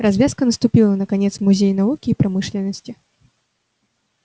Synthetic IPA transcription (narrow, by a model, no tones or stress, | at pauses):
razʲvʲaskənəst̪ʊpʲilˠənɐkanʲɛt̪smʊzʲejnavukʲiːpɾamɨʂlʲɪnːəsʲtʲɪ